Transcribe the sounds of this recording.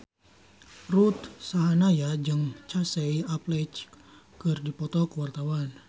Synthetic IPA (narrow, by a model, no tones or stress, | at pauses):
rut̪saɦanajad͡ʒɨŋt͡ʃasɛjaplɛt͡ʃkɨrdipɔt̪ɔkəwart̪awan